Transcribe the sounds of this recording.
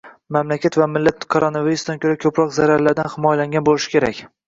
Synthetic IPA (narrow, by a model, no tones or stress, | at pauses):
mamlakʲʰat̪vamɪlːat̪kʰoɾonaviɾusd̪ankʲʰɵɾakʲʰɵpɾɒqzaɾaɾlaɾd̪anhɪmɒjalaŋɡʲanbolɪʃɪ̥kʲʰe̞ɾa̰kʲ